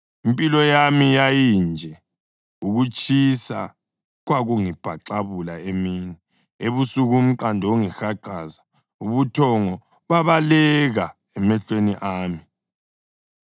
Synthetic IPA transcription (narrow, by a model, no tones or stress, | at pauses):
impʼilɔjamijajind͡ʒʱɛ | uɣut͡ʃʼisa̰ | ɣwaɣuŋib̥ʱaǁaβulaemini | eβusuɣum̩ǃandʱɔuŋixaǃaːza | uβutʰɔŋɔ | βaβalɛɣa | ɛmɛɬweniʔaːmi